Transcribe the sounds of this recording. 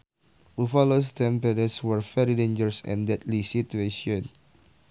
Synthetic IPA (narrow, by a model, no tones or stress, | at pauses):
wifɔlostɛ̃mpɛdəswɛɹfɛɾidẽnd͡ʒəɹsɛ̰̃ndɛt̚lisitueʃiɔ̃n